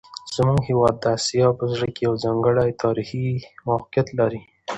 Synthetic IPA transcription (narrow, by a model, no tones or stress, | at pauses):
z̥əmuŋɡhewɑd̪ːəasjɑpəzɽəkejawzɑŋɡəɽajt̪ʰɑɾiximawqjat̪laɾi